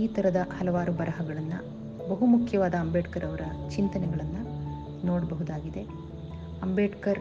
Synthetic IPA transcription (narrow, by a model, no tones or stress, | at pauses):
iːt̪ɐɾɐd̪ɐhɐlɐʋaːɾubɐɾɐɦɐɡɐɭɐnːu | bɐɦumukʰjɐʋaːd̪ɐːmbeːʈkɐɾɐʋɐɾɐt͡ʃint̪ɐnɛɡɐɭɐnːu | noːɽɐbɐɦud̪aːɡid̪e̞ | ɐmbeːʈkɐɾ